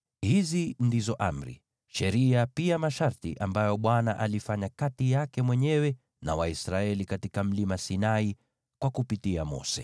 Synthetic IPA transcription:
hizindizɔʔam̩ɾḭ | ʃɛɾiapiamaʃaɾtḭʔambajɔɓwanaʔalifaɲakatijakɛmwɛɲɛwɛ | na̰waisɾaɛlikatikam̩limasinai | kwakupitiamɔ̰sɛ̰

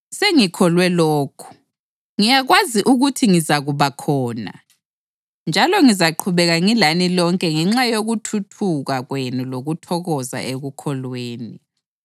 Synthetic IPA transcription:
seŋikʰɔlwɛlɔːkʰu̥ | ŋijaɣwaziʔuɣutʰiŋizaɣuβakʰɔːna̰ | nd͡ʒʱalɔŋizaǃʰuβɛɣaŋilanilɔŋkʼɛŋɛŋ͡ǁajoɣutʰutʰuɣaɣwenuloɣutʰɔɣɔza̰eɣukʰɔlweːni

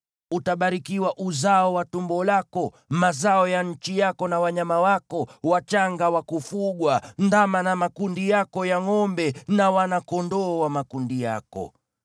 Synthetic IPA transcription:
utaɓaɾikiwaʔuzaɔwatumbɔlakɔ | mazaɔjaɲ̩t͡ʃijakɔnawaɲamawakɔwat͡ʃaŋɡawakufuɠwandamanamakundijakɔjaŋɔmbɛnawanakɔndɔːwamakundija̰kɔ̰

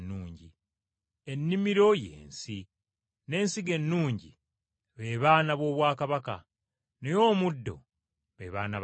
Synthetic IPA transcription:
nːuːɲɟi | e̞nːimiɾo̞jḛːnsi | ne̞ːnsiɡe̞nːuːɲɟi | βe̞ːβaːnaβo̞ːβwaːkaβaka̰ | nejo̞ːmudːo̞̰ | βe̞̰ːβaːna

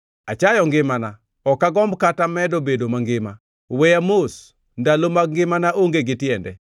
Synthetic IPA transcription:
at͡ʃajɔŋɡɪmana | ɔkːaɡɔmbkatamɛdobedomaŋɡɪma | wejamos | ndalomaɡ̚ŋɡɪmanaʔoŋɡeɡɪtjɛndɛ

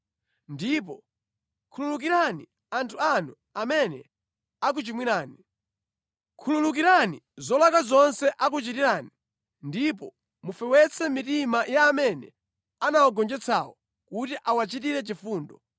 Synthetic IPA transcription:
ndip̬ɔ | kʰululuk̬iɾani | antʰuanu | amɛnɛ | ak̬ut͡ʃimwiɾaːni | kʰululuk̬iɾani | zɔlakazɔnsɛʔakut͡ʃitiɾaːni | ndip̬ɔ | mufɛwɛt͡sʰɛmitimajaːmɛnɛ̰ | anawɔɡɔnd͡ʒɛt͡sʰawɔ | kutiʔawat͡ʃitiɾɛt͡ʃifuːndɔ

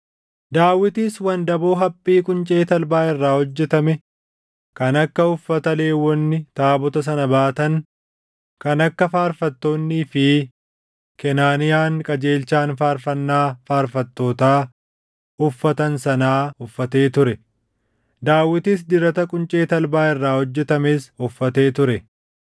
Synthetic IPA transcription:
d̪aːwːɪt̪iːswɐnd̪ɐboːɦɐpʼːiːkʼʊnt͡ʃʼe̞ːt̪ɐlbaːɪrːaːhɔd͡ʒːɛt̪ɐmɛ | kɐnɐkːɐʊfːɐt̪ɐle̞ːwːɔnːɪt̪aːbɔt̪ɐs̬ɐnɐbaːt̪ɐŋ | kɐnɐkːɐfaːɾfɐt̪ːo̞ːnːiːfɪ | kɛnaːnɪjaːŋkʼɐd͡ʒe̞ːlt͡ʃaːnfaːɾfɐnːaːfaːɾfɐt̪ːo̞ːt̪aː | ʊfːɐt̪ɐnsɐnaːʊfːɐt̪e̞ːt̪ʊɾɛ | d̪aːwːɪt̪is̬d̪ɪɾɐt̪ɐkʼʊnt͡ʃʼe̞ːt̪ɐlbaːɪrːaːhɔd͡ʒːɛt̪ɐmeːsʊfːɐt̪e̞ːt̪ʊɾɛ

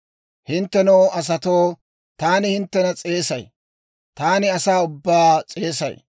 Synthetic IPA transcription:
hɪnt̪ːɛnoːɐs̬ɐt̪oː | t̪aːnɪhɪnt̪ːɛnɐt͡sʼe̞ːsɐ̰j | t̪aːnɪɐsaːʊbːaːt͡sʼe̞ːsɐ̰j

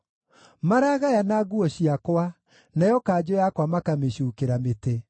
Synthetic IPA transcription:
maɾaɣajanaɣuɔɕiakwa | najɔkaːd͡ʑɔjakwamakameɕuːkeɾamete

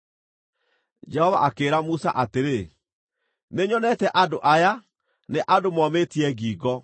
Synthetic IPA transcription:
d͡ʒɛhɔvaʔakeːɾamusa̰ʔateɾe | neɲɔnɛtɛʔadoʔaja | neʔadomɔmetiɛɡiːɡɔ

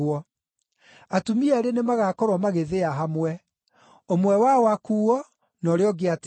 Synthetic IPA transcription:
ɔ | atumiaɾenemaɣakɔɾwɔmaɣeðeaɦamwɛ | omwɛwawakuːɔ | nɔɾeɔɡeat

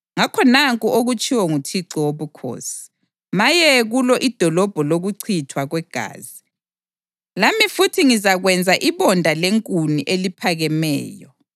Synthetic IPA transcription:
ŋakʰɔnaŋkʼuoɣut͡ʃʰʼiwɔŋutʰiǀɔwoβukʰo̰ːsi̥ | majɛɣulɔʔid̥ʱɔlɔb̥ʱɔloɣuǀʰitʰwaɣwɛɡ̥ʱa̰ːzi | lamifutʰiŋizaɣwɛnd͡zʱaʔiβɔndʱaleŋkʼuniʔelipʰaɣɛmɛ̰ːjɔ

